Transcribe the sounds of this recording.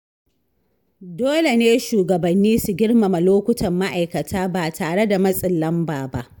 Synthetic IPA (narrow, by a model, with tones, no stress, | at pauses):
doː˦le˨neː˦ʃuː˨ɡɐ˨bɐ˨nːiː˦su˨ɡʲɪ˦ɽma˨ma˨loː˦kʷʊ˦tʰɐ˨mːa˦ʔa˨jkɐ˨tʰaː˦baː˨tʰaː˨ɽe˦da˨mɐ˦sʼɪ˨lːɐ˦mbaː˨ba̰˦ʔ